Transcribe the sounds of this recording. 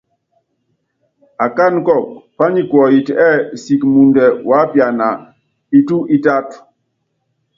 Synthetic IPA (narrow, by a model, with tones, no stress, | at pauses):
a˨ka˦˨nkɔ˦˨k̚pa˦ni˨kwɔ˨ji˨tɛ˦˨si˨kmu˨ndɛ˨wa˨˦pja˨na˨ | i˨tu˦ʔi˦ta˦t